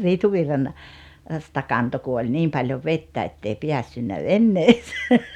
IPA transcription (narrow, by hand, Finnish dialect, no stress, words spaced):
stɑ kɑnto ku olʲ niːm pɑljoʋ ʋetːæ etːei piæsːynːæ ʋenːeːse